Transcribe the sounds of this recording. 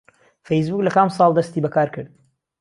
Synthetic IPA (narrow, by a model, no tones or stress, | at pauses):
fejs̬buːklɐkamsˤɑːlˠd̪ɐst̪iːbɐkʰaːɾkʰɨɾd̪̚